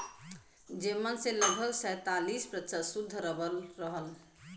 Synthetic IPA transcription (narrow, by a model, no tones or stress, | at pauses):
d͡ʒemːənsẽləɡbʱəɡsəjt̪alispɾətsəsud̪ʱːɾəbəlɾəɦəl